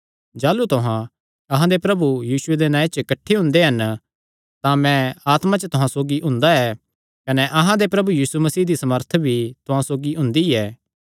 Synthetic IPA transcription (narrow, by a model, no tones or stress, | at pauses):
d͡ʒaːlut̪ʊɦã | ɐɦãd̪epɾɐbujiːsʊed̪enãːet͡ʃəkɐʈʰːeɦʊ̃nd̪eɦɐn | t̪ãmɛ̃aːt̪mãt͡ʃət̪ʊɦãsoːɡiʔʊ̃nd̪aɛː | kɐnɛʔɐɦãd̪epɾɐbujiːsumɐsiːɦd̪isɐməɾt̪ʰbʱit̪ʊɦãsoːɡiɦʊ̃nd̪iɛː